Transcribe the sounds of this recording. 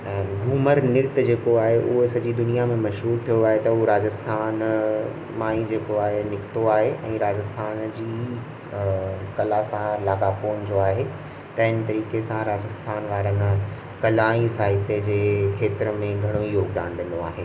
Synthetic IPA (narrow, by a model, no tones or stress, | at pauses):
ɡʱuːməɾnɪɾt̪d͡ʑeːkoaːɦeʔʊɦesɐd͡ʑid̪ʊnijamẽmɐʃɦuːɾt̪ʰijoaːɦet̪ɐʊɦoɾaːd͡ʑəst̪ʰaːn | maːĩd͡ʑeːkoaːɦenɪkt̪oaːɦeʔɛ̰̃ːɾaːd͡ʑəst̪ʰaːnd͡ʑiː | kɐlaːsãlaːɡapoːnd͡ʑoaːɦe | t̪ɐɦɪ̃nɪ̆t̪ɐɾiːkesãɾaːd͡ʑəst̪ʰaːnʋaːɾən | kɐlaːĩsaːɪt̪ed͡ʑeːkʰeːt̪ɪɾəmẽɡʱɐɽ̃oijoːɡd̪a̰ːɽ̃d̪ẽːn̆d̪oa̰ːɦeː